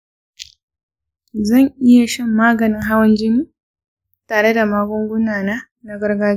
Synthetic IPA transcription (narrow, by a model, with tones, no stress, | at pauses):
zɐ˦˨ŋʔi˦ja˨ʃɐ˦mːaː˦ɡɐ˨ni˦ŋɦa˦wɐ˦nd͡ʒi˦ni˦ | taː˨ɽe˦da˨maː˦ɡʷɔ˦ŋɡʷu˦naː˨na˦ | na˨˦ɡɐ˦ɾɡaː˦